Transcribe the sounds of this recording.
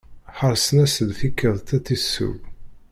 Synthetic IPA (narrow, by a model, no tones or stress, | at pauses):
ħəɾˤsənæsəlfikːəðˤt̪æt͡sːisːṵw